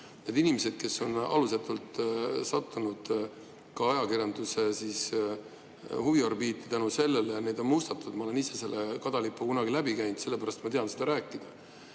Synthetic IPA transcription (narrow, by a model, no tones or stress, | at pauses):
ned̪inimese̞d̪̥̚ke̞sːo̞nɑ̰luset̪ːˑult̪sɑt̪ːunud̪̥ | kɑɑjɑkirjɑnd̪usesis | huviɑrbiːt̪ːˑe̥t̪ænuse̞lːelejɑne̞d̪̥o̞nmust̪ɑt̪ːud̪mɑo̞le̞nise̞se̞lːekɑd̪̥ɑlipːˑukunɑɡilæbikæjnd̪se̞lːe̞pæɾɑst̪mɑt̪eɑnsed̪ɑɾæːkːˑid̪̥ɑ